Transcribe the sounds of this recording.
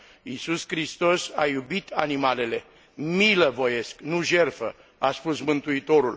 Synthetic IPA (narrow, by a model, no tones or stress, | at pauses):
isuskɾist̪o̞sajubit̪ʰanimale̞le̞ | miləvo̞je̞sknuʒe̞rfə̰ | aspusmɨnt̪uit̪o̞ɾul